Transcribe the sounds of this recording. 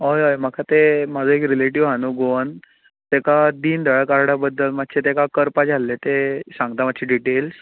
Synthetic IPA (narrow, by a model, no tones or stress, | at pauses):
ɦojɦojm̤əkʰat̪emad͡zəekɾileʈiʋɦanuɡoən | t̪ekad̪iːnd̪ʱəɭəkaɾɽabəd̪ːəlmat̪̚ːt͡ɕʰet̪ekakəɾpad͡zʱalːet̪esãŋɡ̚t̪amat̪ːɕʰiɖiʈels